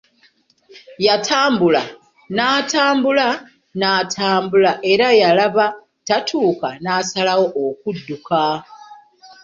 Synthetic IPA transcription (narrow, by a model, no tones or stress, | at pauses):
jatʰaːmbula | naːtaːmbula | naːtʰaːmbulaʔe̞ɾajalaβa | tatʰuːkanaːsalawo̞ʔokudːuka